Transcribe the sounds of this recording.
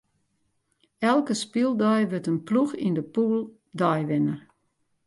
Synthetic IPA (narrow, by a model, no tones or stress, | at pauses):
ɛlˠkəspilˠdɔjʋøtənpluxḭndəpuːlˠ | dɔjʋɪnər